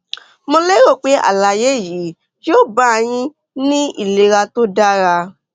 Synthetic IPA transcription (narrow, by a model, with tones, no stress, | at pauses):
mo˧le˦ɾo˦˨k͡pe˨˦a̰˦˨la˨je˨˦˨ji˨˦ | jo˦˨ba˦˧j̃ĩ˧ | nĩ˦ḭ˦˨le˨ɾa˧to˦da˦ɾa˧